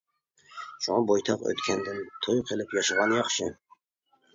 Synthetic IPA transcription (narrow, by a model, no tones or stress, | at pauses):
ʃuŋɑbojt̪ʰɑqø̰t̪kʲʰɛnd̪ɪnt̪ʰojqʰelˠɪpjɑʃɨʁɑnjɑχʃɪ